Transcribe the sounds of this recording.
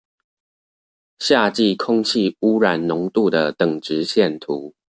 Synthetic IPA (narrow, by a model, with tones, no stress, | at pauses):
ɕja˥˧t͡ɕi˥˨kʰʊ˥˦ŋt͡ɕʰi˥˨u˦ɻa˨˩nnʊ˨˦ŋt̪u˥˨d̪ə˩t̪ə˨˩ŋʈ͡ʂɻ̩˨˦ɕjɛ˥˨nt̪ʰu˨˦